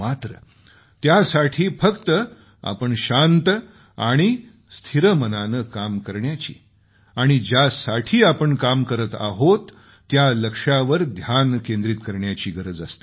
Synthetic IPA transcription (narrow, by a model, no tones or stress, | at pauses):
mat̪ɾə | t̪jasaʈʰiːfəkt̪ə | a̰pəɳɕant̪ | aɽ̃i | st̪ʰiɾəmənanəkamkəɾɳjat͡ɕḭː | aɽ̃id͡ʑjasaʈʰiːapəɳkamkəɾət̪a̰ɦot̪ː | jaləkʂaʋəɾd̪ʱjankẽnd̪ɾit̪kəɾɳjat͡ɕiːɡəɾəd͡zəst̪e̥